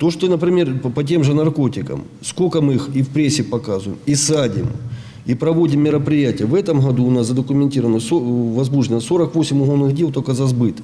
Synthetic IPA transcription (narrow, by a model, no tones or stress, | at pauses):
t̪o̞ʂt̪onəpɾʲɪmʲe̞rpɐt̬ʲe̞mʐɨnɐrko̞tʲɪkə̰m | sko̞kəmɨixifpɾʲesʲːɪpɐkazʊjɪmisadʲɪ̰m | ipɾɐvo̞dʲɪmːʲɪɾəpɾʲɪjætʲɪjəvɛt̪əmɦɐd̪uːʊnaszəd̪əkʊmʲɪnʲtʲiɾəvənəsovɐzmuʐʲnəso̞ɾəkvo̞sʲɪmʲʊɦo̞lˠnɨɣdʲe̞lˠt̪okəzɐzbɨt̪